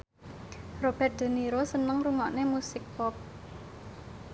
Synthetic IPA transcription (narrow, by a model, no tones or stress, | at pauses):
rob̥ɛrt̪̚d̪̥ə̤niɾosənəŋruŋaʔnemusɪk̚pɔp̚